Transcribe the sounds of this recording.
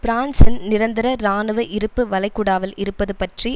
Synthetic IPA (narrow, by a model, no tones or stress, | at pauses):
b̥ɾaːnsɐnnɪɾɐnd̪ɪɾɐɾaːnɯʋɐʔɪɾɯpːɯʋɐlɐɪkːʊɽaːʋɐlɪɾɯpːɐðɯpɐʈri